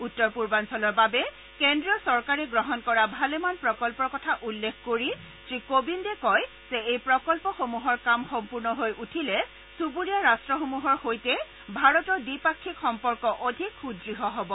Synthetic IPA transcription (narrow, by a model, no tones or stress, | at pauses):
utːɔɹpuɹbansɔlɔɹbabɛ | kendɹijɔsɔɹkaɹɛɡɹɔɦɔnkɔɹabʱalɛmanpɹɔkɔlpɔɹkɔtʰaʔulːekʰkoɹi | tɹikobindɛkɔj | z̥ɛejpɹɔkɔlpɔxomuɦɔɹkamxɔmpuɹnɔɦojutʰilɛ | subuɹijaɹastɹɔxomuɦɔɹxojtɛ | bʱaɹɔtɔɹdipakʰːikxɔmpɔɹkɔʔodʱikxudɹiɦɔɦɔbɔ